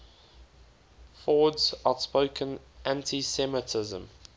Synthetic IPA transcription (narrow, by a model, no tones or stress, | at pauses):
fɔːdzaʊtspəʊkʰə̃n | ʔæ̃ntʰisɛmətʰɪzə̰̃m